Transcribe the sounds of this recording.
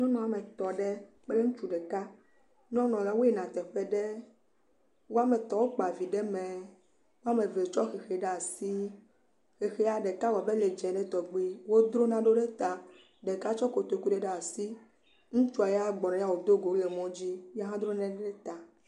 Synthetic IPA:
ɲɔ̃˦nɔ̃˨a˨mɛ̃˨t̪ɔ˨ɖe˦ | k͡pe˦le˦ŋũ˦t͡ʃu˨ɖɛ˨ka˦ | ɲɔ̃˦nɔ̃˨ja˨˦wo˦e˦˨nã˨t̪ɛ˨ɸɛ˦ɖe˦ | wo˦a˦me˨t̪ɔ˨wo˦k͡pa˨vi˨ɖɛ˦mɛ̃˨ | wo˦a˦mẽ˨ve˨t͡ʃɔ˦xe˨xe˨ɖɛ˦a˨si˦ | xe˨xɛ˦a˨ɖɛ˨ka˦wɔ˨be˦le˨d͡ʒɛ˨nɛ̃˦t̪ɔ˨ɡ͡bi˦wo˦d̪ɾo˦nã˨ɖo˦ɖɛ˦t̪a˨ | ɖe˨ka˦t͡ʃɔ˦ko˨t̪o˨ku˦ɖɛ˨ɖe˦˨a˨si˦ | ŋũ˦t͡ʃu˦a˨jɛ˦a˦ɡ͡bɔ˨nã˨˦a˦wo˨d̪o˦ɡo˨wle˨mɔ̃˦d͡ʑi˦jɛ˦ɦã˦d̪ɾo˦nã˦ɛ˦e˦ɖɛ˦t̪a˨

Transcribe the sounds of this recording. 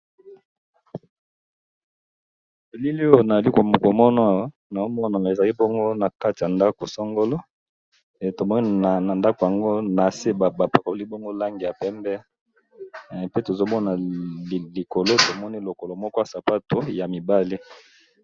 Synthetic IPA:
e˨li˦li˦o˦˨na˨a˨li˦kmo˨ko˨mɔ˦na˦˨wa˦ | na˨o˦mɔ˦na˨e˨za˨li˦bɔ˦ŋɡo˦na˨ka˦ti˨ja˨nda˦ko˨sɔ˦ŋɡo˦lo˦˨ | to˨mɔ˦ni˦˨na˨nda˦ko˨ja˨ŋɡo˦na˨se˦ba˨ba˨pa˨ko˨li˦bo˦ŋɡo˦la˦ŋɡi˨ja˨pɛ˦mbɛ˦ | pe˦to˨zo˦mɔ˦na˨ | li˨ko˨lo˦to˨mɔ˦ni˦lo˨ko˨lo˨mɔ˦kɔ˦ja˨sa˨pa˦to˨ja˨mi˨ba˦li˦

